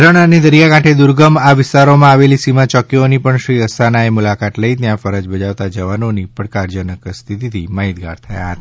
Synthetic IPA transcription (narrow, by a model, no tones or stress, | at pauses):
ɾəɳəned̪əɾijakãʈʰed̪uɾɡəmaʋɪst̪aɾomãaʋelisimãt͡ʃɔkionipəɳʃɾiəsʰanaemulakat̪ləit̪jãfəɾəd͡ʒbəd͡ʒaʋt̪ad͡ʒəʋanonipəɽkaɾd͡ʒənəkst̪ʰit̪it̪ʰimaɦit̪̚ɡa̰ɾt̪ʰəja̰ɦət̪a